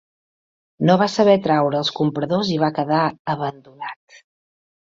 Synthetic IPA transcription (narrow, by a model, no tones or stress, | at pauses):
noβasəβɛt̪ɾawɾəːlˠskumpɾəðoziβakəðaəβənd̪unat̪